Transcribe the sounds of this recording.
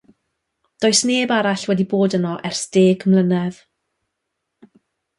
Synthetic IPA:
d̥oːɨsneːbaɾaɬwɛdiboːdənɔʔɛrsd̥eːɡʰmlˠənɛð

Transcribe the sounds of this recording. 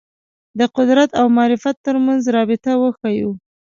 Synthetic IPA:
d̪əqʊd̪ɾat̪awmɑːɾɪfat̪ːəɾmanzɾɑbɪt̪awəxaju

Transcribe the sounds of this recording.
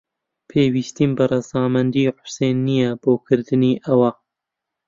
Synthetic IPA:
pʰeːwiːst̪iːmbɨrɑzɑːmɐnd̪iːħʊ̥seːnːijɛboːkʰɨɾd̪ɨniːʔɐwa

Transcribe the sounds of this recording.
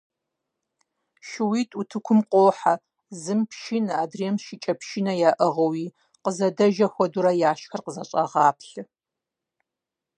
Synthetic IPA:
ʃɪwiːtʼutʰɨkʷʰʊmqʷʼoːħa | zɨmpʃinaːdriɛmʃɪt͡ʃʼɐpʃinɐjaːʔɐʁɐwiː | qəzɐdɐʒɐxʷɔduɾɐjaːʃxɐrqəzɐɕʼɐ̰ʁɑːpʰɬɨ

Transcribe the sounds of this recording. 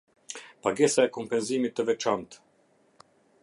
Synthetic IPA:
paɡɛsaɛkɔmpɛnzimit̪ːəvɛt͡ʃant̪

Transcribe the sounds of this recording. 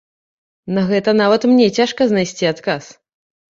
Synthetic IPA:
nɐɣɛt̪ɐnavɐt̪mnʲɛt͡sʲaʂkɐznajsʲt͡sʲiat̪kas

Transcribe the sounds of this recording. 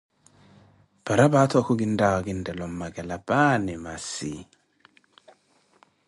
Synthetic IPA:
paɾabatkuɡindawaɡindɛlɔmːaɡɛlabanɛmasḭ

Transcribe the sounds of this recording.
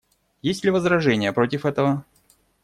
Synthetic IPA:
jesʲtʲlʲɪvəzɾɐʐɛnʲɪjəpɾo̞tʲɪfɛt̪əvə

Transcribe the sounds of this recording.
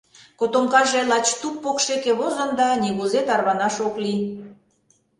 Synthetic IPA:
kot̪omkɑʒelɑt͡ɕt̪uppokʃekeβozɑnd̪ɑniɣuzet̪ɑrβɑnɑʃokli

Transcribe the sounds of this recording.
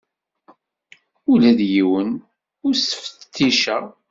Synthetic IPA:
ulæðjiwən | ʊɾsə̥fə̥tt̪ːiʃæ

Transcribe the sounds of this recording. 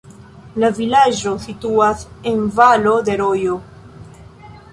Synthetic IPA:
lavilad͡ʒo̞situase̞nvalo̞d̪e̞ɾo̞jo

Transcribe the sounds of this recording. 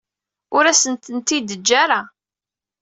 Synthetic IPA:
ʊɾæsənt̪ənt̪id̪əd͡ʒːaɾa

